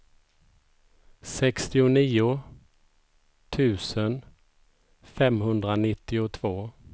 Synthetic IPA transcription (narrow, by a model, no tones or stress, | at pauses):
sɛkst̪ɪʊniːʊ | t̪ʰʉ̟ːsən | fɛmɦɵnd̪ɾanɪt̪ːɪʊt̪ʰvoː